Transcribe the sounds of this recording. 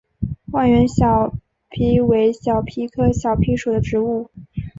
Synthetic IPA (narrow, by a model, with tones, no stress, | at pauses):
wa˥˩nɥɛ˧˥nɕjɑ˨˩ʊ | pʰi˧˥we˧˥ɪɕjɑ˨˩ʊpʰi˧˥kʰɤ˥ɕjɑ˨˩ʊpʰi˧˥ʂu˨˩d̪ə˦ʈ͡ʂɻ̩˧˥u˥˩